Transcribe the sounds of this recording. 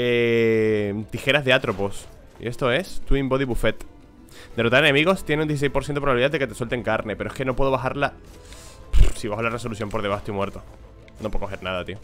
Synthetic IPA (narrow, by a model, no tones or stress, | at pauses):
e | t̪ixe̞ɾazðe̞at̪ɾo̞pos | ḭʔe̞st̪o̞e̞st̪uimbo̞ðiβufe̞t̪ | d̪erot̪aɾene̞miɣo̞st̪je̞neund̪eθisejspoɾs̬θjent̪oɾβaβiðaðeket̪eswe̞lt̪e̞ŋkaɾne̞peɾoe̞skeno̞pwe̞ðoaxaɾla | siβaxolare̞so̞luθjo̞mpo̞ɾðe̞βast̪oimwe̞ɾt̪o | nopwkoxe̞ɾnaðat̪io